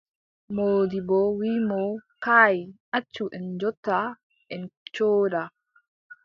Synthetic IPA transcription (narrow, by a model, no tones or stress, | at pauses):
moːdibɔwimɔkaːjiʔat͡ʃːuʔɛnd͡ʒɔtːa | ʔɛnt͡ʃoːɾa